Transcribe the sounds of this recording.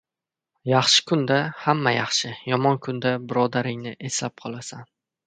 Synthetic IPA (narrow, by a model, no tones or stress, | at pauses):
jɑχʃɪ̥kʰʊnd̪ahamːajɑχʃɪjɒmɒnkʰʊnd̪abɪɾɒd̪aɾɪŋnɪʔe̞slap̚qʰɒlˠasan